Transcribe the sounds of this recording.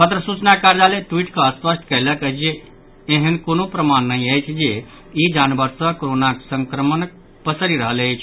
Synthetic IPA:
pət̪ɾəsut͡ʃnakaɾd͡ʒaleʈwiʈkeəspəsʈʰkələkəd͡ʒeː | ɦənkonopɾəmanːəɦĩəjt͡ʃʰd͡ʒe | id͡ʒanbəɾsəkoɾonaksə̃ŋkɾəmənək̚ | pəsəɾiɾəɦələjt͡ʃʰ

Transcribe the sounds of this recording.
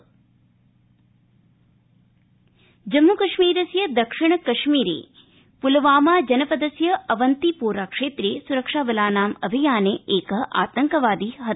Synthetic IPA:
d͡ʒɐmːukɐʃmiːɾɐsjɐd̪ɐkʂiɳ̃ɐkɐʃmiːɾḛː | pulɐʋaːmaːd͡ʒɐnɐpɐd̪ɐsjɐɐʋɐnt̪ipuːɾaːkʂeːt̪ɾieːsuɾɐkʂaːʋɐlaːnaːmɐbʱijaːneeːkɐɦʔa̰ːt̪ɐŋkɐʋaːd̪iːɦɐ

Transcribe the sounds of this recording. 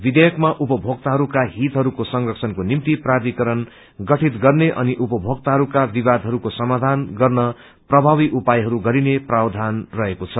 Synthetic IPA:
bid̪ejʌkmaʔupʌbʱoɡ̚t̪aɦʌɾukaɦit̪ɦʌɾukosʌŋrʌksʰʌnkonimt̪iprad̪ikʌɾʌn | ɡʌʈʰit̪ɡʌrneʔʌ̰niʔupʌbʱoɡ̚t̪aɦʌɾukabibad̪ʱɦʌɾukosʌmad̪ʱanɡʌrnʌ | prʌbʱaβiʔupajɦʌɾuɡʌɾineprabd̪ʱanrʌɦekot͡sʰʌ

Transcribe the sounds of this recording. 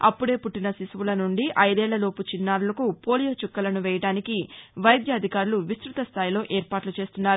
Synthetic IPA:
ɐ̰pːuɽe̞ːpuʈːinɐsisʋulɐnuɳɖiʔɐjd̪ɛːɭːɐlo̞ːput͡ʃinːaːɾulɐkupo̞ːlijoːt͡ʃukːɐlɐnuʋɛːjɐʈaːnikiʋɐjd̪ʱjɐːd̪ʱikaːɾuluʋist̪ɾut̪ɐst̪ʰaːjilo̞ːʔeːɾpaːʈlut͡ʃe̞ːst̪unːaːɾu

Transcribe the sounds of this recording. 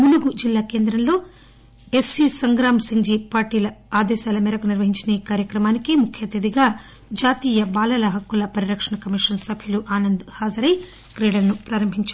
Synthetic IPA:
muluɡud͡ʒilːaːkeːnd̪ɾɐmlo̞ː | e̞sisɐŋɡɾaːmsiŋd͡ʒiːpaːɾʈiːlɐaːd̪ɛːʃaːlɐmɛːɾɐkuniɾʋɐɦiɲt͡ʃinɐiːkaːɾjɐkɾɐmaːnikimukʰjɐt̪ɐd̪iɡaː | d͡ʒaːt̪iːjɐbaːlɐlɐɦɐkːulɐpɐɾiɾɐkʂɐɳɐkɐmiʂɐnsɐbʱiluʔaːnɐnd̪haːd͡ʒɐɾɐj | kɾeːɽɐlɐnupɾaːɾɐmbʱiɲt͡ʃː

